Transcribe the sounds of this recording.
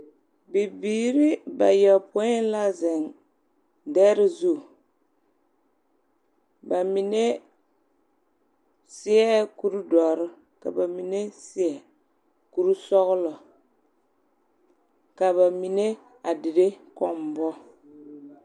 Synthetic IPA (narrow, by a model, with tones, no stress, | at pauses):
bi˨biː˨ɾi˦ba˨jɛ˨pʊ˦ɪ˦n˦la˦zɛ˨n | dɛ˦ɾɪ˦zu˦˨ | ba˨mi˨ne˦ | sɪ˦ɛ˦ku˦ɾu˦dɔ˨ɾɪ˦ | ka̰˨ba˨mi˨ne˦sɪ˦ɛ˨ | ku˦ɾu˦sɔ˦ɣʊ˦lɔ˨ | ka˨βa˨mi˨ne˦ | a˨dɪ˨ɾe˦kɔ˦mbɔ˦